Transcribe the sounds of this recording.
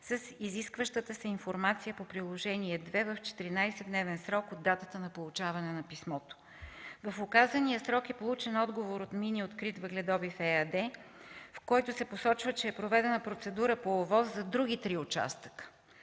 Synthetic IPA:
səsiziskvəʃt̪ət̪əsɛinfoɾmat̪sijəpopɾilˠoʒɛniɛd̪vɛvəft͡ʃɛ̥t̪iɾinajsɛd̪nɛvɛnsɾɔkod̪ːat̪ət̪ənɐpolˠut͡ʃavɐnɛnɐpismɔt̪o̥ | vɐfʊkazənijəsɾɔkɛpolˠut͡ʃɛnɔd̪ɡovoɾot̪miniot̪kɾit̪vəɡlɛd̪ɔbifɛɐd̪ɛ | fkɔjt̪ʊsɛposɔt͡ʃvət͡ʃɛːpɾovɛd̪ɛnɐpɾot̪sɛd̪uɾəpovɔzzɐd̪ɾuɡʲit̪ɾiʊt͡ʃa̰st̪ə̥kə̥

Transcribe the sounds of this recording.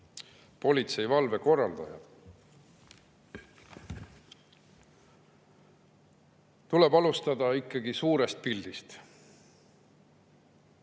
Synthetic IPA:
po̞lʲit̪se̞jvɑlve̞ko̞rːɑld̪̥ɑ̰jɑ̰d̪̥ | t̪ule̞bɑlust̪ɑd̪̥ɑikːˑɑɡ̥isuːɾe̞st̪̚pild̪ist̪

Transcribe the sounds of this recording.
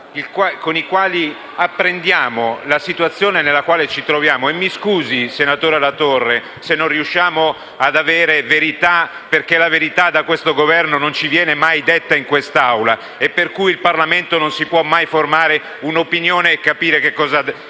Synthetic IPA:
ilkwakonikwaːli | apːɾend̪jaːmolasit̪wat̪sːjoːnenelːakwaːlet͡ʃit̪ɾovjaːmoemːiskuːzisenat̪oːɾealat̪orːe | senːõnriuʃːaːmo | ad̪aveːɾeveɾit̪a | perkelaveɾit̪ad̪ːakwest̪oɡovɛrnonont͡ʃivjɛːnemajd̪et̪ːaiŋkwest̪aawla | epːerkujilparlament̪ononsipwɔmːajformaːɾe | unopinjoːneːkːapiːɾekekːɔːza

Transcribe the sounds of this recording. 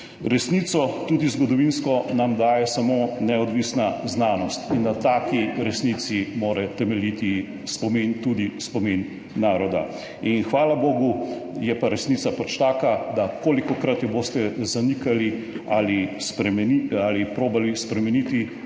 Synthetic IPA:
ɾɛsnit̪sɔt̪ud̪izɡɔd̪ɔʋinskɔnamd̪aːjɛsamoːnɛɔd̪ʋiːsnaznaːnɔst̪ind̪at̪aːkiɾɛsnit̪simoːɾɛt̪ɛmɛlit̪i | spɔmint̪ud̪ispɔminː | aːɾɔd̪a̰ | inxʋaːlaboːɡujɛpaɾɛsniːt̪sapat͡ʃt̪aːkad̪akoːlikɔkɾat̪jɛboːst̪ɛzanikali | alispɛmɛnialipɾoːbalispɾɛmɛnit̪i

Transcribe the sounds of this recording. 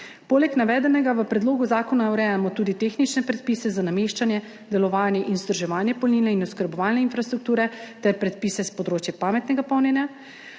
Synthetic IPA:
poːlɛknaʋɛːd̪ɛnɛɡaʋəpɾɛd̪loːɡuzaːkɔnauɾɛjamɔt̪uːd̪it̪exnit͡ʃnɛpɾɛt̪̚pisɛzanameʃt͡ʃanjɛ | d̪ɛlɔʋaːnjɛʔinzd̪ɾ̩ɔʒɛʋaːnjɛpɔlniːnɛinuskəɾbɔʋaːlnɛinfɾast̪ɾuk̚t̪uːɾɛt̪ɛɾpɾɛt̪piːsɛspɔd̪ɾoːt͡ʃjɛpaːmɛt̪nɛɡapɔwnjɛnja

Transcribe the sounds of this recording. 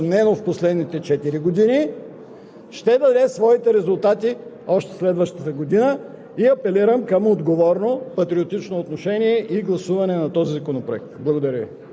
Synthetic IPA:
mnɛnofposlɛd̪nit̪ɛt͡ʃɛt̪iɾiɡod̪ini | ʃt̪ɛd̪ɐd̪ɛsvɔit̪ɛɾɛzʊlˠt̪at̪i | ɔʃt̪ɛ̥slɛd̪vəʃt̪ət̪əɡod̪inə | iɐpɛliɾəmkɐmod̪ɡovɔɾnopɐt̪ɾiot̪it͡ʃnoːt̪noʃɛniɛʔiɡlˠɐsuvɐnɛnɐt̪ɔzizɐkonopɾoɛk̚t̪blˠɐɡod̪ɐɾʲəvḭ

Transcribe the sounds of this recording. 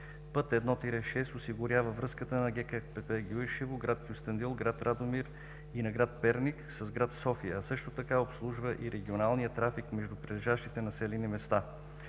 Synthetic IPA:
pɤt̪ɛd̪nɔt̪iɾɛʃɛst̪osiɡʊɾʲavəvɾɤskət̪ənɐɡɛkɛpɛpɛɡʲujʃivʊɡɾat̪kʲjʊst̪ənd̪ilˠɡɾat̪ɾad̪omiɾ | inɐɡɾat̪̚pɛɾniksɐzɡɾat̪sɔfijəsɤʃt̪ot̪ɐkaopslˠuʒvəʔiɾʔɛɡʲionalˠnijət̪ɾafikmɛʒd̪upɾilɛʒaʃt̪it̪ɛnɐsɛlinimɛst̪a

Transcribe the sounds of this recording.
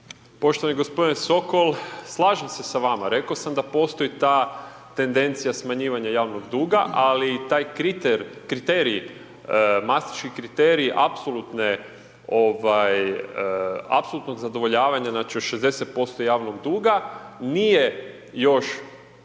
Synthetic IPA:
po̞ʃt̪oʋaniɡo̞spo̞d̪ineso̞ko̞lslˠaːʒemse̞saʋamaɾe̞kaosamd̪apo̞st̪o̞it̪a | t̪e̞nd̪e̞nt̪sijasmaɲiːʋaɲajaːʋno̞ɡd̪uːɡaʔalit̪aːjkit̪eɾkɾit̪eɾi | mast̪i̥t͡ʃkihkɾit̪eɾiːʔapso̞lˠut̪ne | o̞ʋaj | a̰pso̞lˠut̪no̞ɡzad̪o̞ʋo̞ʎaːʋaɲaznaːt͡ʃijoʃezd̪e̞set̪̚po̞st̪o̞jaːʋno̞ɡd̪uːɡanije̞ | jo̞ʃ

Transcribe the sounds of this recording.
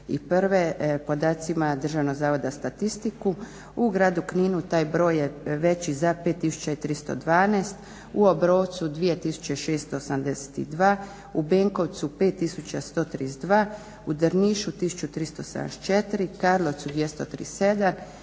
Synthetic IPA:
ḭpɾʋepo̞d̪aːt̪simad̪ər̩ʒaʋnoɡzaːʋo̞d̪ast̪at̪ist̪iku | uɡɾaːd̪ukniːnut̪aːjbɾo̞ːjeʋe̞t͡ɕizapet̪ːisu̥t͡ʃait̪ɾist̪o̰d̪ʋaːneːst̪ | uobɾoːʋt̪sud̪ʋije̞t̪isu̥t͡ɕe̞ʃeːst̪oosamd̪ese̥t̪ḭd̪ʋaː | ubeŋkoʋt̪supeːt̪ːisut͡ɕast̪o̞ːt̪ɾisd̪ʋaː | ud̪əɾniʃut̪isu̥t͡ʃut̪ɾist̪osa̰nḛst͡ʃet̪ɾikaɾlˠoʋt̪sud̪jest̪ot̪ɾḭse̞d̪am

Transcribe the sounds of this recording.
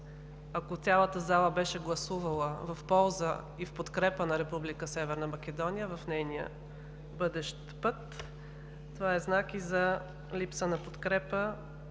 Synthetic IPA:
ɐkot̪sʲalˠət̪əzalˠəbɛʃɛɡlˠɐsuvɐlˠəvɐfpɔlˠzə | ifpot̪kɾɛpənɐɾɛpublikəsɛvɛɾnəmɐkʲɛd̪ɔnijəvɐfnɛjnijə̰ | bɤd̪ɛʃt̪pɤt̪ː | ovaɛznakizɐ | lipsənɐpot̪kɾɛpə

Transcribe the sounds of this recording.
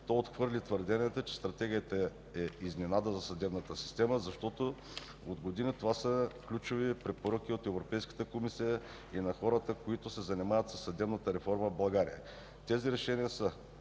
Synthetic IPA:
t̪ɔot̪xvɤɾlit̪vəɾd̪ɛniɛt̪ot͡ʃɛ̥st̪ɾɐt̪ɛɡʲijət̪ə | ɛizminad̪əzɐsɐd̪ɛbnət̪əsi̥st̪ɛməzɐʃt̪ɔt̪o | od̪ɡod̪inət̪ovasəklʲut͡ʃovipɾɛpoɾək̟iot̪ɛvɾopɛjskə̥t̪əkomisijə | inɐxɔɾət̪əkoit̪ʊsɛzɐnimavət̪sɐsːɐd̪ɛbnət̪əɾɛfɔɾməbɐɡaɾḭjə̰ | t̪ɛziɾɛʃɛniəsə

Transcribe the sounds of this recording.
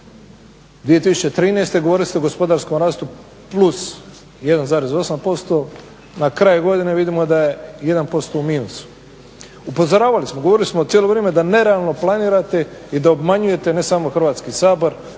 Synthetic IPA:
d̪ʋije̞t̪isut͡ɕe̞t̪ɾiːnest̪e̞ɡo̞ʋo̞ɾiliseɡo̞spo̞d̪aɾsko̞mɾaːst̪u | plˠus | je̞d̪anzaːɾezo̞sampo̞st̪o̞ | nakɾaːjuɡo̞d̪ineʋid̪imo̞d̪aje̞je̞d̪anpo̞st̪o̞umiːnusu̥ | upo̞zoɾaːʋalismoɡoʋo̞ɾilismot̪sjelo̞ʋɾeːmed̪ane̞ɾealˠno̞plˠaniːɾat̪e̞id̪aobmaɲuje̞t̪e̞ne̞saːmoxɾ̩ʋaːt̪skisaːbo̞ɾ

